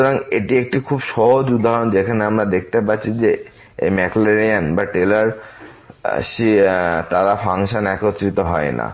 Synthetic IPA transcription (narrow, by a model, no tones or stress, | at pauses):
ʃuoɾaŋeʈiek̚ʈikʰubʃɔɦod͡ʑud̪aɦɾond͡ʑekʰaneamɾad̪ek̚ʰt̪epatːt͡ɕʰid͡ʑe | emɛkleɾianbaʈelaɾ | ʃit̪aɾafʰaŋʃanɛkot̪ːɾit̪oɦɔena̰